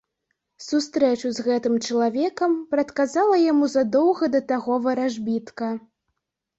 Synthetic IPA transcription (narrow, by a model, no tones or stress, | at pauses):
sust̪ɾɛt͡ʂuzɣɛt̪ɨmt͡ʂɐlˠavʲɛkɐmpɾɐt̪kazalˠɐjamuzɐd̪ɔwɣɐd̪ɐt̪aɣɔvɐɾaʐbʲit̪kɐ